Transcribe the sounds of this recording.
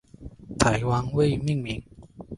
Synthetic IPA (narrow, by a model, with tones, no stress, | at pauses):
t̪ʰa˨˥jwa˦˥nwe˥˧ɪmi˥˩ŋmi˨˥˦ŋ